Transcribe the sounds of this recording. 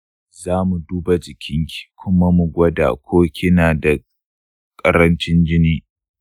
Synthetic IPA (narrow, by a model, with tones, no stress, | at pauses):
zaː˦mu˨duː˦ba˨d͡ʒɪ˨kʲʰɪ˦ŋkʲi̥˨kʷʰʊ˦ma˦mu˨ɡʷɐ˦da̰ː˨kʷʰoː˦kʲʰɪ˦naː˨da˨ | kʼɐ˦ɾɐ˦nt͡ʃɪ˦nd͡ʒɪ˦niː˦